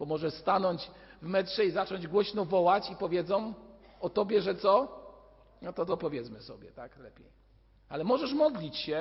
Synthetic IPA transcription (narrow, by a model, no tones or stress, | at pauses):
b̥ɔmɔʐɛst̪anɔɲd͡ʑvmɛtʂɛizat͡ʂɔɲd͡ʑɡwɔɕnɔvɔwat͡ɕipɔvʲjɛd̪zɔ̃w̃ | ɔt̪ɔbʲjɛʐɛt̪sɔ | nɔt̪ɔt̪ɔpɔvʲjɛt̪smɘsɔ̰bʲjɛt̪aklɛpʲjej | alɛmɔʐɛʂmɔd̪lʲit͡ɕɕɛ